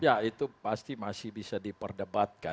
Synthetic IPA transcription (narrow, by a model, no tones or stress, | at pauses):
jait̪upast̪imasɪhbisadipərdəbat̪̚ka